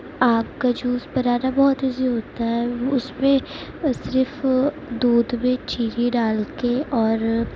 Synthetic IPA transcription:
aːp̚kad͡ʒuːspɐɾaːɾabɔːt̪ɪziɦoːt̪aɦɛːʊsmẽsɪɾf | d̪uːd̪mẽt͡ʃiːɾiɖaːlkeʔɔːɾ

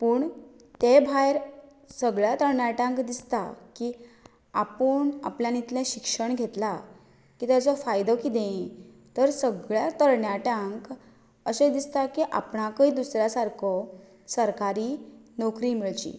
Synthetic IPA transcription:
puːɳ | t̪ebʱajɾ | səɡɭjat̪əɾɳjaʈãŋkd̪ist̪aki | apəɳa̰pljanit̪lẽɕikʂəɳɡʱet̪la | kit̪jat͡sɔfajd̪ɔkid̪ẽ | t̪əɾsəɡɭjat̪əɾɳjaʈãŋk | əɕed̪ist̪akiʔa̰pɳakəid̪usɾjasaɾkʰɔ | səɾkaɾiːnɔkɾimiɭt͡ɕḭː

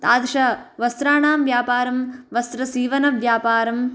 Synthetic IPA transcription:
t̪aːd̪ʃɐʋɐst̪ɾaːɳaːmʋjaːpaːɾɐmʋɐst̪ɾɐsiːʋɐnɐʋjaːpaːɾɐm

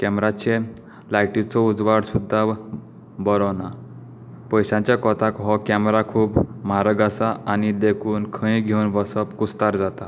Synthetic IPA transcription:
kɛmɾat͡ɕe | lajʈit͡sɔud͡zʋaɽsud̪ʱːa | bɔɾɔna | pəjɕãɲt͡ɕjakɔt̪akɦɔkɛmɾakʰuːpmaɾəɡasaʔanid̪ekʰuːnkʰə̃ĩɡʱewnʋəsəpkust̪aɾd͡zat̪a

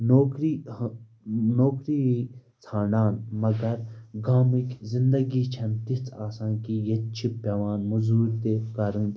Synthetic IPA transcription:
noːkɾi | noːkɾiːɦit͡sʰãːnaːnmɐɡɐɾɡaːmikzĩnd̪ɐɡiːt͡ʃʰɐmt̪it͡sʰaːsãːnkijɐt͡ʃʰipɐʋaːnmuzuːɾt̪ekɐɾɨ̃n

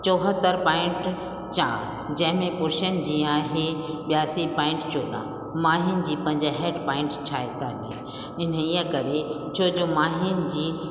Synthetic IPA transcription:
t͡ɕoːɦət̪əɾpaːɪ̃ɳʈ | t͡ɕã̰ː | d͡ʑɐ̃ɦɪ̃mẽpʊɾʃənd͡ʑĩːaːɦeɓijaːsipãːɪ̃ɳʈt͡ɕoːɗã̰ː | maːɦɪnd͡ʑiːpɐ̃ɪ̃ɲd͡ʑɦeːɖpãːɪ̃ɳʈt͡ɕʰaːet̪aːlḛ | ɪn̤iːə̃kɐɾe | t͡ɕʰoːd͡ʑomaːɦɪnd͡ʑiː

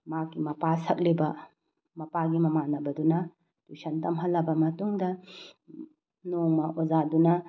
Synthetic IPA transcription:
makːimɐpasɐk̚lebɐ | mɐpaɡimɐmanɐbɐdunɐ | d̥usɐntɐmɦɐlːɐbɐmɐtuŋdɐ | noŋmɐʔozadunɐ

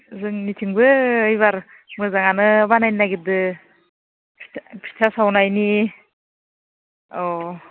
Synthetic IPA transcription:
zɯŋnitʰiŋbɯɯjβaɾ | mɯzaŋanɯbanajninaɡidɯ | pʰi̥tʰpʰi̥tʰasawnajni | ɔ

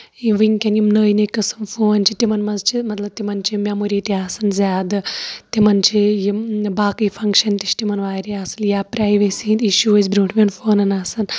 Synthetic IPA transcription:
iʋɨŋkʲɐnjimnəːjnekɐsɨnfoːnʲt͡ʃʰit̪imɐnmɐnzt͡ʃʰimɐt̪lɐb̚t̪imɐnt͡ʃʰimʲjaːmuɾiːt̪iaːsɨnzʲaːd̪ɨt̪imɐnt͡ʃʰijibaːkɨjfʰɐŋkʃɐnt̪it͡ʃʰt̪imɐnʋaːɾiaːsɨnjaːpɾaːjʋesiind̪iʃuʋɐzbɾuːʈʰʋʲenfoːnɐnaːsɨn

